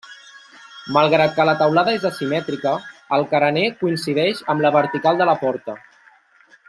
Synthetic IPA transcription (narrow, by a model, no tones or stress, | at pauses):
məlˠɣɾat̪̚kələt̪əwlaðəezəsimɛt̪ɾikəːlˠkəɾənekuinsiðɛʃəmləβəɾt̪ikalˠd̪ələpɔɾt̪ə